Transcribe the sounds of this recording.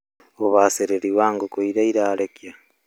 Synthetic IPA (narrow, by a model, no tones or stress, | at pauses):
oβaseɾeɾiwaːŋɡokoiɾaiɾaːɾekja